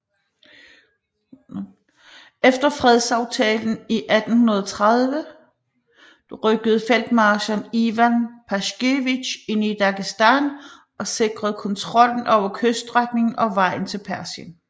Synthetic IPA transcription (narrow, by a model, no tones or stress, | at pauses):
efd̥ɐfʁɛð̞ˠsɑ̈ʊt͡sʰɛ̰ːln̩iʔæd̥n̩hunɐð̞ˠt͡sʰʁað̞ˠʋə | d̥ʁœɡ̥əð̞̩ˠfel̰d̥mɑːɕɐniʋænpʰæɕɡ̥e̝ʋiɕe̝nid̥ɑ̈ɡ̥isd̥æn | ʔɒ̽se̝ɡ̥ʁɐð̞̩ˠkʰɒ̽nt͡sʰʁɒ̽l̰n̩ʔɒʊ̰ɐkʰøsd̥ʁaɡ̥ne̝ŋn̩ɒ̽ʋɑ̈ɪ̰n̩t͡sʰe̝lpʰæɐsən